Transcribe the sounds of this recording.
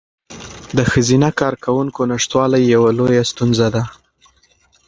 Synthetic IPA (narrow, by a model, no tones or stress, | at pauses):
d̪əxəzinakɑɾkawuŋkonaʂt̪wɑlajːawalojast̪unzad̪a